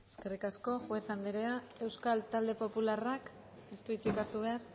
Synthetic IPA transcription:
eske̞rikasko̞ʝwe̞θand̪eɾea | e̞wskalt̪ald̪e̞po̞pularak | est̪uit͡sikaɾt̪uβ̞e̞ar

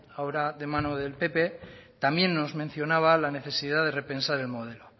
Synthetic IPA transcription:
aoɾaðemanoðe̞lpe̞pe̞t̪ambje̞nːo̞zmẽ̞n̟θjo̞naβ̞alane̞θe̞siðaðe̞re̞pe̞nsaɾe̞lmo̞ð̞e̞lo

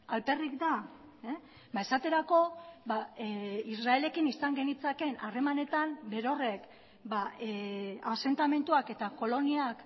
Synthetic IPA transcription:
alpe̞rikd̪a | bae̞sat̪e̞ɾako̞baisrae̞le̞kinisaŋɡe̞nit͡sake̞nare̞mane̞t̪anbe̞ɾo̞re̞k | baease̞nt̪ame̞nt̪uake̞t̪ako̞lo̞niak

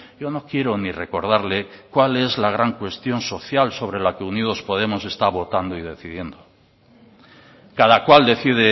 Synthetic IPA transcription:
jo̞no̞kje̞ɾo̞nire̞ko̞ɾð̞aɾle̞kwale̞zlaɣ̞ɾaŋkwe̞st̪jo̞nso̞θjalso̞βɾe̞lake̞uniðo̞spo̞ðe̞mo̞se̞st̪aβo̞t̪and̪oiðe̞θiðje̞nd̪o | kaðakwald̪e̞θið̞e

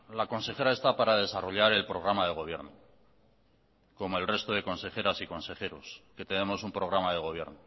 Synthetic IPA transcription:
lako̞nse̞xe̞ɾae̞st̪apaɾað̞e̞saro̞ʎaɾe̞lpɾo̞ɣ̞ɾamað̞e̞ɣ̞o̞β̞je̞ɾno | ko̞mo̞e̞lre̞st̪o̞ðe̞ko̞nse̞χe̞ɾasiko̞nse̞xe̞ɾo̞ske̞t̪e̞ne̞mo̞sumpɾo̞ɣɾamaðe̞ɣ̞o̞β̞je̞̰ɾno

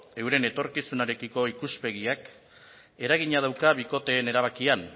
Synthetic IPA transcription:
e̞wɾe̞ne̞t̪o̞ɾkisunaɾe̞kiko̞ikuspe̞ɣiak | e̞ɾaɣiɲað̞awkaβiko̞t̪e̞ːne̞ɾaβ̞akian

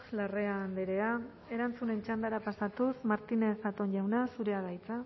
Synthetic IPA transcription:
lare̞aːnd̪eɾe̞a | e̞ɾant͡sune̞nt͡ʃand̪aɾapasat̪usmaɾt̪ine̞θat̪o̞nʎawnasuɾe̞aðajt͡sa

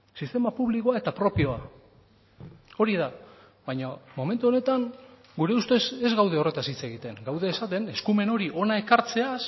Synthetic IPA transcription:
sist̪e̞mapuβliko̞ae̞t̪apɾo̞pio̞a | o̞ɾiða | βajɲamo̞me̞nt̪uo̞ne̞t̪aŋ | ɡuɾe̞ust̪esezɣawðe̞o̞re̞t̪asit͡se̞ɣit̪e̞ŋɡawðeːsat̪e̞ne̞skume̞no̞ɾiʔo̞nae̞kaɾt͡se̞as

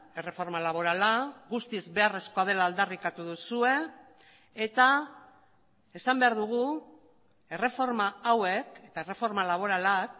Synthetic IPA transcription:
e̞re̞fo̞ɾmalaβ̞o̞ɾalaɣust̪izbe̞are̞sko̞að̞e̞laːld̪arikat̪uðusue̞ː | t̪a | e̞sambe̞aɾðuɣ̞u | e̞re̞fo̞ɾmaawe̞ke̞t̪ae̞refo̞ɾmalaβ̞o̞ɾalak̚

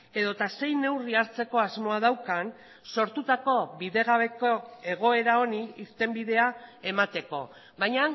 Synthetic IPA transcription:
e̞ðo̞t̪ase̞jne̞wriaɾt͡se̞ko̞azmo̞að̞awkan | so̞ɾt̪ut̪ako̞βiðe̞ɣ̞aβe̞koe̞ɣ̞o̞e̞ɾao̞niiɾt̪e̞mbiðe̞ae̞mat̪e̞ko̞̰ | βajɲa

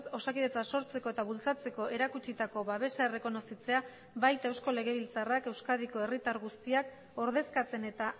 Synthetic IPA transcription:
so̞sakiðe̞t͡saso̞ɾt͡se̞ko̞e̞t̪aβult͡sat͡se̞ko̞ʔe̞ɾakut͡ʃit̪ako̞βaβ̞e̞sae̞re̞ko̞no̞sit͡se̞a | βajt̪ewsko̞le̞ɣ̞e̞β̞ilt͡sarake̞wskaðiko̞e̞rit̪aɾɣust̪iak̚ | o̞ɾðe̞skat͡se̞ne̞t̪a

